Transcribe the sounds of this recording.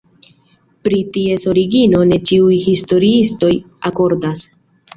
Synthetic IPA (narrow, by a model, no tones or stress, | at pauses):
pɾitie̞so̞ɾiɡino̞ne̞t͡ʃiujhisto̞ɾiisto̞j | ako̞ɾdas